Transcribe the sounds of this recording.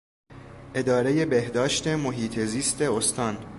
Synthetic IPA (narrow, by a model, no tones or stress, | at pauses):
ʔe̞d̪ɒːɾe̞je̞be̞hd̪ɒːʃt̪e̞moɦiːt̪ʰeziːst̪e̞ost̪ɒːn